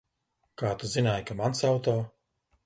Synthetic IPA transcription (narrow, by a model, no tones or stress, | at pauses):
kaːt̪uzinaːjkamansawt̪ɔː